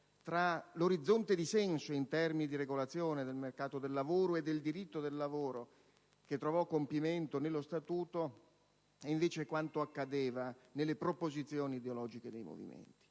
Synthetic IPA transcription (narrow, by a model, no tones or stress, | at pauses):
t̪ɾaloɾid̪zːont̪ed̪isɛnsoint̪ɛrminid̪iɾeɡolat̪sːjoːned̪elmerkaːt̪od̪elːavoːɾoed̪ːeld̪iɾit̪ːod̪elːavoːɾo | k̟et̪ːɾovɔkːompiment̪onelːost̪at̪uːt̪o | eiɱveːt͡ʃekwant̪oakːad̪eːvanelːepɾopozit̪sːjoːniːd̪eolɔːd͡ʒiked̪ejmo̰vḭmḛnt̪i̥